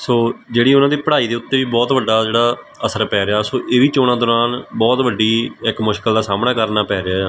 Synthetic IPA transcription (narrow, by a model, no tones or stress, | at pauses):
soːd͡ʒeːɽiːʊnãːd̪eiːpəɽaːiːd̪eːʊt̪ːeːʋiːbɔːt̪ʋəɖaːd͡ʒeːɽaː | əsəɾpɛːɾeaːsoːʔeːʋiːt͡ʃoːɽ̃ãːd̪ɔːɾaːnbɔːt̪ʋəɖːiːɪkmʊʃkəld̪aːsaːmnaːkəɾnaːpɛːɾeaː